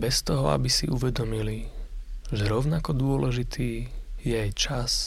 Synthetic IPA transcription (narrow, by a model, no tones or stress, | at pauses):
bɛst̪ɔɦɔa̰bisḭʔuʋɛd̪ɔmili | ʒɛɾɔʊnakɔd̪ʊɔlɛʒit̪ʰiːjɛajt͡ʃas